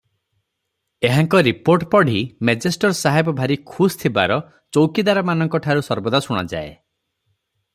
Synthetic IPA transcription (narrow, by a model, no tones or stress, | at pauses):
eɦaŋkɔɾipoɾʈpɔɽ̤imed͡ʒesʈɔɾsaɦebɔbʱaɾikʰust̪ʰibaɾɔ | t͡ʃowkid̪aɾɔmanɔŋkɔʈʰaɾusɔɾbɔd̪asuɽ̃a̰d͡ʒa̰e